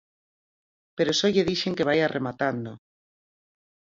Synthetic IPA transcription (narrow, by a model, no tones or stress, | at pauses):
peɾosɔʎeðiʃeŋkeβ̞ajarʔemat̪and̪o